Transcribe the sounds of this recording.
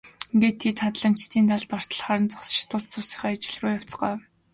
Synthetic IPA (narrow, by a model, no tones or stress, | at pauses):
ɡit̪ʰːet̪χat̪ɮə̆nt͡ɕt̪ʰiːnt̪aɮt̪ɔr̥t̪ə̆ɮχaːɾə̆nt͡sʊχsə̥̆t͡ɕt̪ʰʊst͡sʊsĭ̥χœːat͡ɕɪ̥̆ɮuːjaw̥t͡sɢɔː